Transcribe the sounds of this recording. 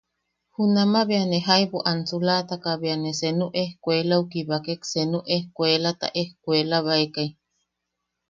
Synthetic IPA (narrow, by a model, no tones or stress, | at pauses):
hunamaβianeɦaiβoʔansulat̪akaβianesenuʔehkʷelaukiβakeksenuʔehkʷelat̪a̰ʔehkʷelaβaekaj